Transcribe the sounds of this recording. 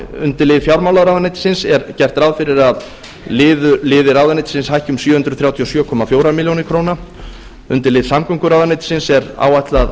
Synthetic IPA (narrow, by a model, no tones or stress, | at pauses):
ʏ̰nt̪ɪlɪðfjawɾmawlaðɾawðanejt̪ɪ̥sɪnsɛɾcɛr̥t̪ɾawðfɪɾɪɾað | lɪːðʏlɪːðɪɾawðanɪjt̪ɪ̥sɪnshajhcʏmsjœːhʏnt̪ɾʏð̥θɾjawt̪ʰijosjœːkʰɔmafjoːwɾamɪljownɪɾkʰɾoːwna | ʏnt̪ɪlɪːðsamkʏŋkʏɾawðanejt̪ɪ̥sɪnsɛɾa̰ːwajt̪lað